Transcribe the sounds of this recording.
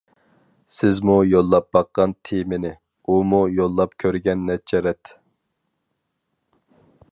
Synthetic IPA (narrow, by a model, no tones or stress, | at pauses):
sɪzmujolˠːɑp̚bɑqːɑnt̪ʰemɪnɪ | umujolˠːɑpkʲʰøɾɡʲɛnːɛt͡ʃʰːɛɾɛt̪